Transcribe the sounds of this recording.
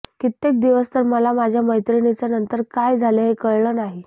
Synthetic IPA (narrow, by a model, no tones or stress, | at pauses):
kit̪ːek̚d̪iʋəst̪əɾməlamad͡ʑʱjaməjt̪ɾiɽit͡sanənt̪əɾkajd͡zʱaleɦekəɭɭəːnaɦi